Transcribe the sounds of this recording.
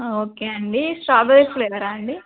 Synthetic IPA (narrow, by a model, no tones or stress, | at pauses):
oːkeːɐɳɖisʈɾaːbɐʋesleʋɐɾaɐɳɖi